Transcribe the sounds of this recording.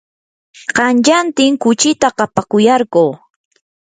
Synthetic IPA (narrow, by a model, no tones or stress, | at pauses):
ɢɑnt͡ʃant̪ɪŋkʊt͡ʃɪt̪aqɑpakʊjɑɾɢoː